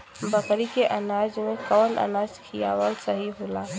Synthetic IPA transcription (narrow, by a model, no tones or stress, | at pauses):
bəkɾikeʔənad͡ʒmẽkənə̰nad͡ʒkʰijawəlsəɦiɦolaː